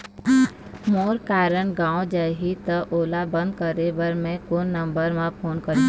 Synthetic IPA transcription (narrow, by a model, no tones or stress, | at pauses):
moːɾkaːɾəɳɡãːwod͡ʒaːɦit̪əʔoːlabə̃nd̪̚kəɾebəɾmẽkoːnːə̃mbəɾmãpʰoːnkəɾe